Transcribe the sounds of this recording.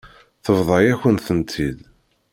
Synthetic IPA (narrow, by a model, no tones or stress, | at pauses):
θəvðˤɑjæçənθənt̪ʰið